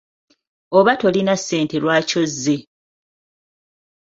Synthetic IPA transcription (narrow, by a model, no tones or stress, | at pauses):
o̞βato̞linasːe̞ːnte̞lwaːco̞zːe̞